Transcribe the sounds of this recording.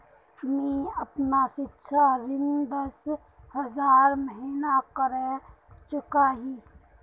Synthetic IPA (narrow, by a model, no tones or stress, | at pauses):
mĩːəpnasɪtːʃʰaɾɪnd̪əs | həzaːɾməɦiːnakəɾe | t͡ʃʊkaɦiː